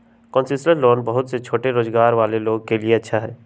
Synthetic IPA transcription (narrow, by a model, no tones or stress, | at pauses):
kɔ̃ːnsɪsʈəɾloːnbəɦʊt̪set͡ʃʰoːʈeɾoːzɡaːɾʋaːleloːɡ̚kelieɐtːʃʰaɦɛː